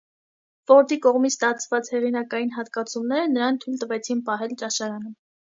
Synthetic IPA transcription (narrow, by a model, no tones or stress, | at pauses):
vɔɾd̪ikɔʁmit͡sʰt̪ɑt͡sʰvɑt͡shɛʁinɑkɑjinɦɑt̪kɑt͡sʰumnɛɾənəɾɑnt̪ʰujlt̪əvɛt͡sʰinpɑɦɛlt͡ʃɑʃɑɾɑnə